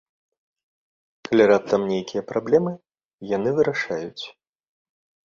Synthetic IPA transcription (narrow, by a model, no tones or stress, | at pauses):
kalʲiɾap̚t̪ɐmnʲejkʲijɐpɾablʲɛmɨ | janɨvɨɾaʂajut͡sʲ